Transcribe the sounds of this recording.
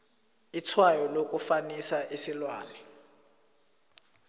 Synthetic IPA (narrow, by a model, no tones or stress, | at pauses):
it͡sʰwajɔlokʼufanisaʔisilwaːlɛ